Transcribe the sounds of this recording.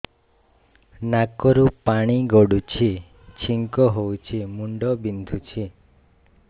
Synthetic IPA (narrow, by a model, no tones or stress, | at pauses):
nakɔɾupaɽ̃iɡɔɽut͡ʃʰi | t͡ʃʰiŋkɔɦowt͡ʃʰimuɳɖɔbind̪ʱut͡ʃʰi